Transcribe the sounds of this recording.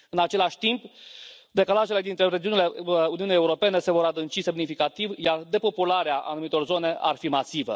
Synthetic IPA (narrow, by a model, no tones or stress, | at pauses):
ɨnat͡ʃe̞laʃʲt̪impd̪e̞kalaʒele̞d̪int̪ɾe̞ɾed͡ʒiunile̞uniunjeuɾo̞pe̞ne̞se̞vo̞ɾad̪ɨnt͡ʃise̞mnifikat̪ivjard̪e̞po̞pulaɾeaʔa̰numit̪o̞rzo̞ne̞ʔa̰rfimasivə̰